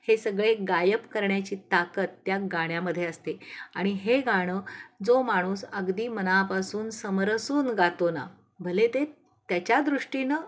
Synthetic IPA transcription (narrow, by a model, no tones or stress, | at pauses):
hesəɡɭeɡajəpkəɾɳjat͡ɕiːt̪akət̪ːjaɡaɽ̃jaməd̪ʱːjeəst̪eaɽ̃iɦeɡaɽ̃əːd͡zomaɽ̃uːsəɡd̪iːmənapasuːnsəmɾəsuːnɡat̪ona̰ | bʱəlet̪e | t̪jat͡ɕjad̪ɾuʂʈinə